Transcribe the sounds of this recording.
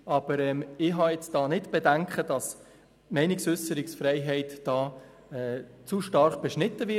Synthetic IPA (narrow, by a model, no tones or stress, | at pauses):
ʔɑb̥əɾɛmɪɦɑjɛt͡sd̥ɑːnɪdb̥ɛdæŋkχəd̥ɑs | mɛɪnɪksʏsəɾɪksfɾɛɪɦɛɪtd̥ɑː | ɛt͡suʃtɑɾχb̥ɛʃnɪtːəvɪ